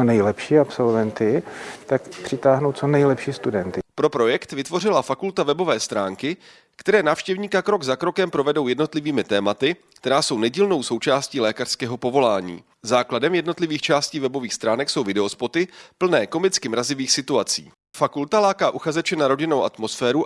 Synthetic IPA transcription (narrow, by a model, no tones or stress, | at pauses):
onɛjlɛpʃiːapsolvɛnt̪ɪt̪akpr̝̥ɪt̪aːɦnowt͡sonɛjlɛpʃiːst̪udɛnt̪ɪpɾo̞pɾo̞jɛkt̪vɪt̪vo̞r̝ɪlafakult̪avɛbo̞vɛːst̪ɾaːŋkɪ | kt̪ɛɾɛːnaːfʃcɛvɲiːkakɾo̞ɡzakɾo̞kɛmpɾo̞vɛdo̞wjɛdno̞t̪lɪviːmɪt̪ɛːmat̪ɪ | kt̪ɛɾaːso̞wnɛɟiːlno̞wso̞wt͡ʃaːsciːlɛːkar̥skɛːɦo̞po̞vo̞laːɲḭː | zaːkladɛmjɛdno̞t̪lɪviːxt͡ʃaːsciːvɛbo̞viːxst̪ɾaːnɛkso̞wvɪdɛo̞spo̞t̪ɪpl̩nɛːko̞mɪt͡skɪmɾazɪviːxsɪt̪uat͡sḭː | fakult̪alaːkaːʔuxazɛt͡ʃɛnaɾo̞ɟɪno̞wʔa̰t̪mo̞sfɛːɾu